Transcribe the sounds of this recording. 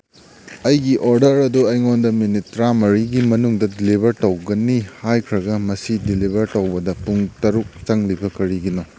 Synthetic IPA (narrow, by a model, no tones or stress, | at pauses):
ɐjɡiʔoɾdɐɾɐduɐjŋondɐminitɾamɐɾiɡimɐnuŋdɐdilibʱɐɾtɐwɡɐnihajkʰɾɐɡɐmɐsidilibʱɐɾtɐwbɐdɐpuŋtɐɾuk̚t͡ʃɐŋlibɐkɐɾiɡino